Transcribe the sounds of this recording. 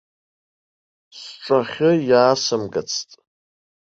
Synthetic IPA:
sʈ͡ʂʷʼaχʲɪjaːsɨmɡat͡sʰtʼ

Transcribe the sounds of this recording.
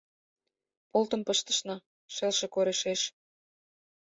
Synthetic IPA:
polt̪ə̆mpə̆ʃt̪ə̥̆ʃnɑ | ʃelʃĕkoɾeʃeʃ

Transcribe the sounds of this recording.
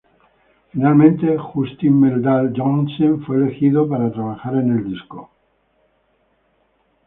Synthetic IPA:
finalmẽnt̪e̞xust̪immeld̪ald͡ʒonseɱfweːle̞xiðopaɾat̪ɾaβaxaɾe̞ne̞ld̪isko

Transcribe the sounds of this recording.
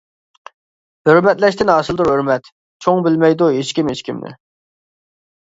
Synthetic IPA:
høɾmɛt̪lɛʃt̪ɪnɑːsɨlˠd̪uɾɦøɾmɛt̪ | t͡ʃʰoŋbɪlmɛjd̪uɦet͡ʃkʲimet͡ʃkʲimnɪ̰

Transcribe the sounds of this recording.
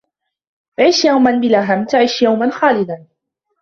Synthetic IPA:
ʕiːʃjawmanbɪlaɦamt̪aʕiːʃjawmanxaːlɪd̪an

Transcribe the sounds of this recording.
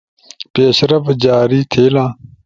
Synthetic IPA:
peːɕɾɐfd͡ʑaːɾiːt̪ʰeːlãː

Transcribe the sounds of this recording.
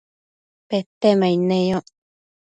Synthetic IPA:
pet̪emainẽjo

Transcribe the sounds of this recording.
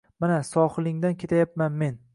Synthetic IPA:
manasɒχɨlˠɪŋd̪ankʲʰe̞t̪ʰajap̚manme̞n

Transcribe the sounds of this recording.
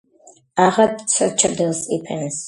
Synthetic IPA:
aʁat̪sʰət͡ʃʰad̪ɛlˠsipʰɛns

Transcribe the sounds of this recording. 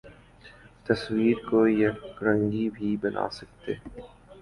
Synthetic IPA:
t̪ɐswiːɾkojɐɾə̃ŋɡibʱibɐnʔa̰ːsɐk̚t̪ḛː

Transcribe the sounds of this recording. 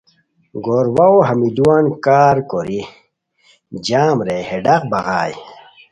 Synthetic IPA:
ɡoːɾwaoɦɐmid̪uwaːnkaːɾkoɾi | d͡ʑaːmɾeheɖɐqbɐɣaːj

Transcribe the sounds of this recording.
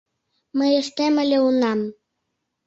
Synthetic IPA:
məjəʃt̪emə̆lʲeunɑm

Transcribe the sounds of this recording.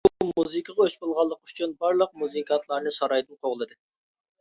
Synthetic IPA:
bumuzɨkʰəʁɑøʃbolˠʁɑlˠːəqyt͡ʃʰynbɑɾlˠəq̚muzɨkʰɑnt̪ʰlˠɑɾnɨsɑɾɑjd̪ɨnqʰoʁlˠɨd̪ɨ

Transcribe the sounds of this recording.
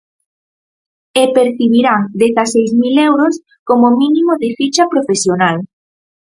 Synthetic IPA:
epeɾθiβiɾaŋd̪eθasejzmilewɾos | komominimoðɪfit͡ʃapɾofesjonal

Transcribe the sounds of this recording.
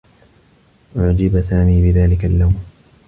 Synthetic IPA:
ʔʊʕd͡ʒɪbasaːmiːbɪðaːlɪkalːawm

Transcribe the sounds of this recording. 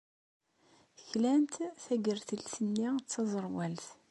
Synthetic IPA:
çlænt̪θæɡəɾθəlsənːit͡sːɑzˤəɾˤwælθ

